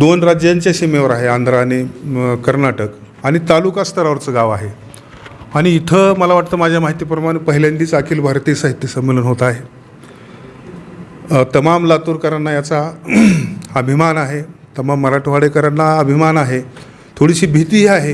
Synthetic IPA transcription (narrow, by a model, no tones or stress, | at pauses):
d̪onɾad͡ʑjaɲt͡ɕjasimeʋəɾaɦeand̪ɾaːɽ̃ikəɾnaʈək | aɽ̃it̪alukast̪ʰəɾaʋəɾt͡səɡaʋaɦe | aɽ̃iːt̪ʰəːməlaʋaʈt̪əːmad͡ʑʱjamaɦit̪iːpɾəmaɽ̃epəɦiljand̪iːt͡sakʰiːlbʱaɾt̪iːsaɦit̪jiəsəmːelənɦot̪aɦe | t̪əmamlat̪uːɾkəɾanːajat͡sa | əbʱimanaɦet̪əmamːəɾaʈʰuʋaɽekəɾanːaəbʱimanaɦe | t̪ʰoɽiɕiːbʱit̪iɦiaɦe